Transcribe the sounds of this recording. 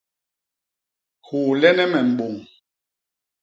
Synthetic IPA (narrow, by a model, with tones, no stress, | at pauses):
hu˨lɛ˦nɛ˦mɛ˨m̩˨bo˨ŋ